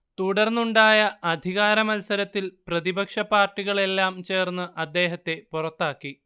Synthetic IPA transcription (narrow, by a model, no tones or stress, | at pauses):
t̪uɽɐrnːuɳɖaːjɐɐd̪ʱiɣaːɾɐmɐlsɐɾɐt̪ːilprɐðibɐkʂɐpaːrʈːiɣɐɭe̞lːaːmt͡ɕe̞ːrnːɨʔɐd̪ːe̞ːɦɐt̪ːe̞purɐt̪ːaːkːi